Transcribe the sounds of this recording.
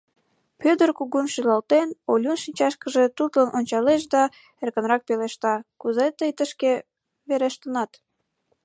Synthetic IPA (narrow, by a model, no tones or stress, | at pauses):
pød̪ərkuɣumʃilɑlt̪enolʲunʃinʲt͡ɕɑʃkəʒe̽t̪ut̪lənʔonʲt͡ɕɑleʃ̬d̪ɑ | erkə̆nrɑk̚peleʃt̪ɑkuzet̪əjt̪əʃke | βeɾeʃt̪ənɑt̪